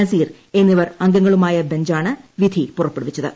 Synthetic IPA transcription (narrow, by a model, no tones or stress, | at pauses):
ɐziːr | e̞nːiʋɐrɐŋɡɐŋːɐɭumaːjɐbe̞ɲd͡ʑaːɳɨʋid̪ʱipurɐpːeɽuʋɐt͡ɕːɐðɨ̰